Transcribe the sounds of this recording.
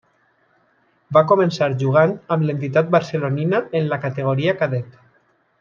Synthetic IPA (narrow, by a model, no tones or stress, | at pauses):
bakomensaɾʒuɣ̞anamlent̪it̪at̪̚baɾseloninaenlakat̪eɣ̞oɾiakaðɛt̪